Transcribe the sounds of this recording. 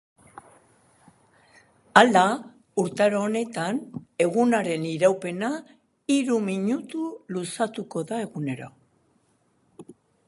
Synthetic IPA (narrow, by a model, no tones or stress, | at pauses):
ala | uɾt̪aɾoːne̞t̪ane̞ɣunaɾe̞niɾawpe̞na | iɾumiɲut̪ulusat̪uko̞ðae̞ɣune̞ɾo̞̰